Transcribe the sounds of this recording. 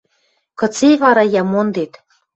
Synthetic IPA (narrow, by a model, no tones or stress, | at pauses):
kɤ̆t͡seβɑɾɑjɑmond̪et̪